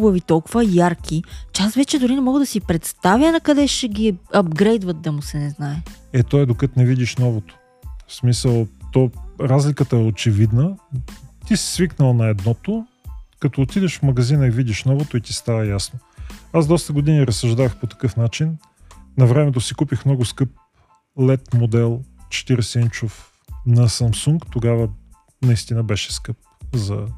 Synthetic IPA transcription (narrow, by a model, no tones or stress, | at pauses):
bəvit̪ɔlˠkʊvɐjaɾkʲʰit͡ʃɛasvɛt͡ʃɛd̪ʊɾinɛmɔɡəd̪ɐsipɾɛt̪st̪avjənɐkɐd̪ɛʃɛɡʲiɐbɡɾɛjd̪vɐt̪̚d̪ɐmʊsɛnɛznaɛɛt̪ɔɛd̪okət̪nɛvid̪iʃnɔvot̪o̥ | smisəlˠt̪ɔɾazlʲikət̪əɛot͡ʃɛvid̪nə | t̪isi̥sviknəlˠnɐɛd̪nɔt̪o | kɐt̪oːt̪id̪ɛʃfmɐɡɐzinəivid̪ʲiʃnɔvot̪oit̪ist̪avəjasnoazd̪ɔst̪əɡod̪iniɾɐsɐʒd̪avəxpot̪ɐ̥kɤfnat͡ʃinː | ɐvɾɛmɛt̪̬osikupixmnɔɡʊskɤp̚ | lɛt̪mod̪ɛlˠt͡ʃɛ̥t̪iɾɛsɛint͡ʃof | nɐsɐmsuŋkt̪oɡavə | nɐist̪inəbɛʃɛ̥skɤp̚zɐ